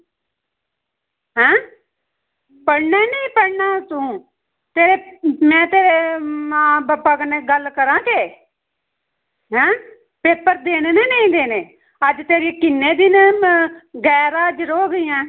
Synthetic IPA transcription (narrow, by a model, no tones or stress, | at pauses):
ɦɛ̃ː | pəɽneːnəːpəɽnaːt̪ũː | t̪eːɾeːmɛ̃ːt̪eːɾeːmãːbapaːɡəneːɡəlkəɾãːkeː | ɦɛ̃ː | peːpəɾd̪eːneːneːnẽĩːd̪eːneː | əd͡ʒt̪eːɾiekɪnːeːd̪ɪn | ɡɛːɾaːəd͡ʒɾoːɡiːãː